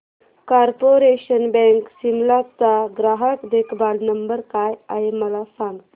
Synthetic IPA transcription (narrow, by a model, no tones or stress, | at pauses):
kaɾpoɾeʃənbɛŋksimlat̪aɡɾaːɦəkd̪ekʰbaːlnɐmbəɾkaːja̰jemɐlasan